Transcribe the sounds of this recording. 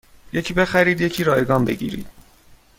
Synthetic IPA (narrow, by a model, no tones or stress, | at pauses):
je̞cʰiːbe̞xæɾiːd̪je̞cʰiːɾɒːjeɡɒːnbe̞̰ɟḭːɾḭːd̪̥̚